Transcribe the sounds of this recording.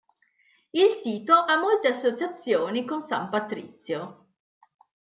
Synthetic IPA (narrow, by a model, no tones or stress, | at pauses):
ilsiːt̪oʔamːolt̪easːot͡ʃat̪sːjoːnikonsa̰mpat̪ɾḭt̪sːjo